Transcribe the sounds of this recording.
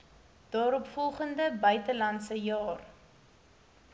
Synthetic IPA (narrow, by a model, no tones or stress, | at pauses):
d̥ɑːɾɔpfɔlˠχəndəbœɥtəlɐntsəjɑːr